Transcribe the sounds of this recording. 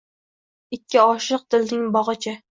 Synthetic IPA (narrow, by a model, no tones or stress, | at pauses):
ɪkʲʰːɪɒʃɨq̚t̪ɪlnɪŋbɒʁɨt͡ʃʰa